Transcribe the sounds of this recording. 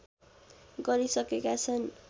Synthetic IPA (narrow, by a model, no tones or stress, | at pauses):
ɡʌɾisʌkekat͡sʰʌn